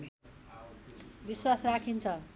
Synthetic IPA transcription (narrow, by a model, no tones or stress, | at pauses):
biswasrakʰint͡sʰʌ